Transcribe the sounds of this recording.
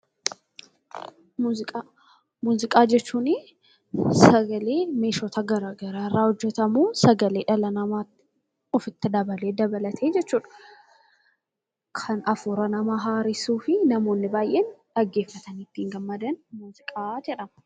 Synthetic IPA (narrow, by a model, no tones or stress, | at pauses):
muːzɪkʼa | muːzɪkʼaːd͡ʒɛt͡ʃːuːnɪ | sɐɡɐleːme̞ːʃɔt̪ʰɐɡɐɾaːɡɐɾaːrːaːhɔd͡ʒːɛt̪ɐmuːsɐɡɐle̞ːᶑɐlɐnɐmaːt̪ːɪ | ɔfɪt̪ːɪd̪ɐbɐle̞ːd̪ɐbɐlɐt̪ʰe̞ːd͡ʒɛt͡ʃːuːᶑɐ̥ | kʰɐnɐfuːɾɐnɐmaːɦaːɾɪsuːfɪnɐmo̞ːnːɪbaːjʔeːnᶑɐɡːe̞ːfːɐt̪ɐnit̪ːiːŋɡɐmːɐd̪ɐnmuːzɪkʼaːd͡ʒɛᶑɐmɐ̥